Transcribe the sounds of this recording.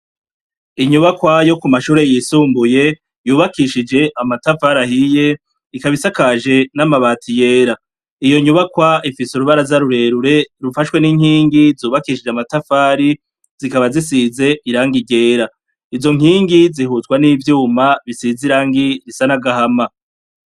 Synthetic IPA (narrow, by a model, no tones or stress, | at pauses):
iɲuβakwajo̞kumaʃuːɾe̞jiːsuːmbuje̞ | juːβakiʃid͡ʒe̞ʔamatafaɾahije̞ | ikaβisakaʒe̞namaβaːtʰije̞ːɾa | ijo̞ɲuβakwaifisuɾuβaɾazaɾuɾe̞ɾuɾe̞ɾufaʃwe̞niːŋ̥hiːŋɡizuːβakiʃid͡ʒamatafaːɾi | z̥ikaβazisize̞iɾaːŋɡiɟe̞ːɾa | izo̞ŋ̥hiːŋɡizihuzɡwanivjuːmaβisiziɾaːŋɡiɾisanaɡahama